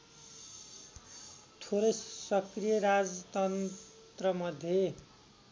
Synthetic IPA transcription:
t̪ʰoɾʌjsʌkrijʌɾad͡zʌt̪ʌn | t̪rʌmʌd̪ʱje

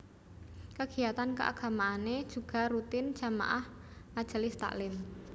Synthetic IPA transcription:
kəɡ̥i̤jat̪ankəʔa̰ɡ̥a̤maːned̥ʒ̥ṳɡ̥a̤ɾut̪ɪn̥d͡ʒ̥a̤ma̰ʔahʔad̥ʒ̥ə̤list̪a̰ʔlɪm

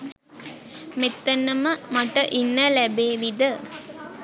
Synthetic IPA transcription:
met̪ːənːəməmaʈəʔinːəlæbeːʋid̪ə

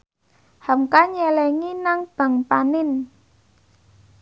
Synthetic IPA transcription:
hamkaɲɛlɛŋinaŋb̥a̤ŋpanɪn

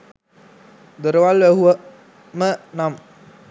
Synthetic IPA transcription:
d̪əɾəʋalʋæɦuə | mənam

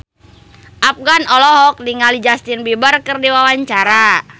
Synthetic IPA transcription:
ʔap̚ɡanɔlɔɦɔk̚diŋalid͡ʒast̪inbibarkɨrdiwawaɲt͡ʃaɾa

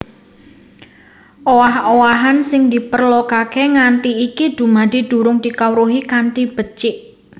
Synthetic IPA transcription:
ʔowaɦowaɦansɪŋd̪ipərlokakeŋant̪iːkid̪̥ṳmad̪̥i̤d̪̥ṳɾʊŋd̪̥ikawɾuɦikanʈib̥ə̤t͡ʃɪʔ

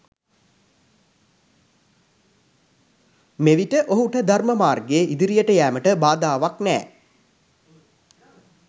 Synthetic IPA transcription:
meʋiʈəʔoɦuʈəd̪ʱarməmaːrɡeːʔid̪iɾijəʈəjæːməʈəbaːd̪aːʋaknɛ̰ː

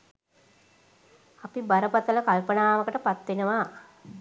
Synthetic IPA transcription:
apibaɾəpat̪ələkalpənaːʋəkəʈəpat̪ʋenəʋaː

